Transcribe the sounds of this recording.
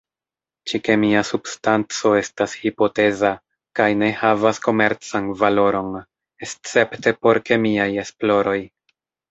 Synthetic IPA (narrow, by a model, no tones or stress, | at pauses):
t͡ʃike̞miasubstant͡so̞e̞stashipo̞te̞za | kajne̞havasko̞me̞ɾt͡sanvalo̞ɾo̞n | est͡se̞pte̞po̞ɾke̞miaje̞splo̞ɾo̞j